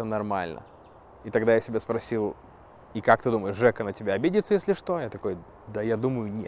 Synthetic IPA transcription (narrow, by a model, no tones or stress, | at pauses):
ənɐrma̰lʲnʔə̰ | it̪ɐɡd̪ajasʲɪbʲaspɾɐsʲilˠ | ikak̚t̪ɨd̪uməjɪʐɛkənətʲɪbʲaɐbʲedʲɪt̪səjesʲlʲɪʂt̪o̞jat̪ɐko̞j | d̪əjad̪uməjʊnʲɪ